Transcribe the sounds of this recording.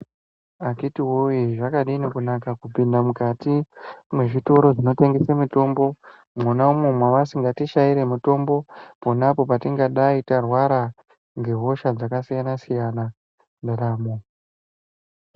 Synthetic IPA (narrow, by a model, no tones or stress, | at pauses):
akitiwoeʐakaɗiinokunakakupindamukatimwe̞ʐito̞ɾo̞ʐino̞te̞ŋɡe̞semito̞mbo̞ | mwunaumemwaʋasiŋɡatiʃaiɾe̞muto̞mbo̞ponapo̞patiŋɡaɗaitarwaɾa | ŋɡe̞ɦo̞ʃad͡zakasijanasijana | ndaɗaːmo